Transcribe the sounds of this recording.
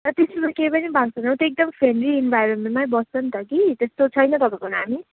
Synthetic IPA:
rʌt̪esɾumakepʌnibʱaɡsʌnʌwt̪oek̚d̪ʌmpʰenriːnbʱajɾemẽnʈmajbʌst͡sʌnt̪ʌkit̪est̪ot͡sʰʌjnʌt̪ʌbakʌnaɦami

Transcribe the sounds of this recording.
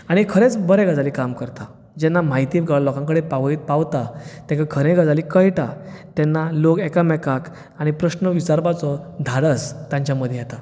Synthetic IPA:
aɽ̃ikʰəɾet͡sbəɾɛ̃ɡəd͡zalikamkəɾt̪a | d͡ʑɛnːamaɦit̪iɡəɭlɔkãŋkəɽepaʋəiːt̪̚paʋt̪at̪ɛ̃kaɡʰʱəɾẽɡəd͡zalikəjʈat̪ɛnːalokɛkamɛkak | aɽ̃ipɾəɕnəʋit͡saɾbat͡sɔd̪ʱaɽəst̪jãɲt͡ɕjaməd̪ʱjjɛt̪a

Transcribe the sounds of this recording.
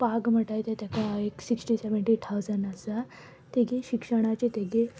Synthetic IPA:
paɡm̤əʈajt̪et̪jakaeksiksʈiseʋəɳʈit̪ʰawd͡zəɳɖəsa | t̪eɡeɕikʂəɽ̃at͡ɕet̪eɡe

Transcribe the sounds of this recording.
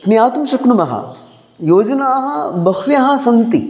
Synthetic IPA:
pnijaːt̪umʃɐknumɐɦɐ̰ | joːd͡ʒɐnaːɦɐbɐxʰʋijɐɦɐsɐnt̪ḭ

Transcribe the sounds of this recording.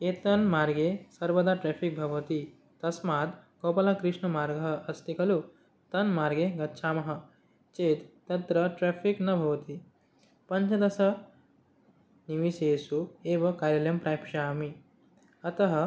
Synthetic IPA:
eːt̪ɐnmaːɾɡesɐɾbɐd̪aːʈɾefik̚bʱɐʋɐt̪i | t̪ɐsmaːt̪ɡopɐlakɾiʂɳɐmaːɾɡʱɐɦɐɐst̪ikʰɐlu | t̪ɐnmaːɾɡeɡɐtːʃʰaːmɐɦɐ̆ | t͡ʃeːt̪ːɐt̪ɾɐʈɾeːfʰiknɐbʱɐʋɐt̪i | pɐɲt͡ʃʰɐd̪ɐsɐ | niʋiseːsueːʋɐkaːɾiljɐmpɾaːjpʰʂaːmi | ɐt̪ɐɦɐ̆

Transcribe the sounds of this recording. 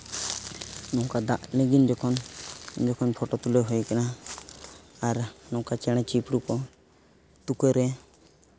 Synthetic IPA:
nɔ̃kad̪aʔlɛɡind͡ʒɔkʰɔnd͡ʒɔkʰɔnpʰɔʈɔt̪uleɦɔjkɛna | ɾnɔ̃kat͡ʃɛɽ̃ɛ̃t͡ʃipɾukɔ | t̪ukɔɾɛ

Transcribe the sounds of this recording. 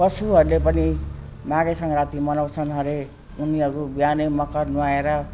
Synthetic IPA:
pʌsuɦʌɾulepʌni | maɡesʌŋɾat̪imʌnawt͡sʰʌnɦʌɾe | uniɦʌɾubianʌjmʌkʌrnuaeɾʌ

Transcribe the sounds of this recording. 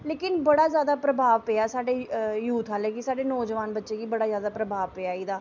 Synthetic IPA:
leːkɪnbəɽaːzjaːd̪aːpɾəbʱaːʋpeːaːsaːɖeːjuːt̪ʰɦaːleːkɪsaːɖeːnɔːd͡ʒʋaːnbətːʃeːɡiːbəɽaːzjaːd̪aːpɾəbʱaːʋpeaːiːd̪aː

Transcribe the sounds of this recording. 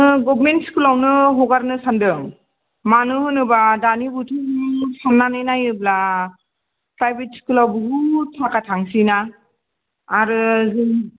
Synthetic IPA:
ɯɡɔbmentskulawnɯɦɔɡaɾnɯsandɯŋ | manɯhɯnɯbadanibutʰɯŋsanːanɯjnajɯbla | pɾajbet̚skulawbɯɦutʰːakatʰaŋsina | ɾɯzɯn

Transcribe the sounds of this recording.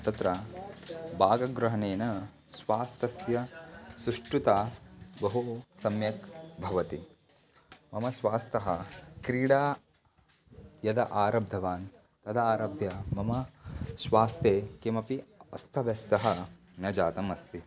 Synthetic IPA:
t̪ɐt̪ɾɐ | baːɡɐɡɾɐɦɐneːnɐ | sʋaːst̪ɐsjɐsɾuʂʈɾut̪aːbɐɦusɐmjɐkbʱɐʋɐt̪i | mɐmɐsʋaːst̪ɐɦɐkɾiːɽaː | jɐd̪ɐʔaːɾɐb̚d̪ʱɐʋaːn | t̪ɐd̪ɐaːɾɐbʱjɐmɐmɐsʋaːst̪eːkemɐpiɐst̪ʰɐʋest̪ɐɦɐ̆ | nɐd͡ʒaːt̪ɐmɐst̪i

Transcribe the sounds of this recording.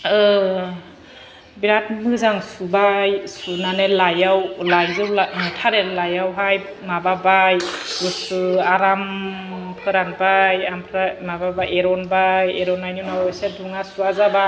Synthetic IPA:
ɯ | biɾat̚mɯzaŋsubajsunanelajawlajzɯwlanɯtʰaɾelajawɦaj | mababajusɯaɾampʰɯɾanbajampʰɾamababajeɾɔnbajeɾɔnajnunawseduŋasuazaba

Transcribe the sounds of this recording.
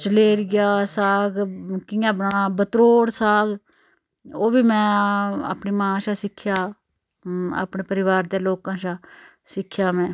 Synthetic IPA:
t͡ʃəleːɾɪɡjaːsaːɡkɪ̃ːjãːbəɳãːbət̪ɾoːɽsaːɡ | oːbiːmɛ̃ːa̰ːpniːmãːʃaːsɪkʰːjaː | a̰ːpneːpəɾɪʋaːɾd̪eːloːkãːʃaːsɪkʰjaːmɛ̃ː

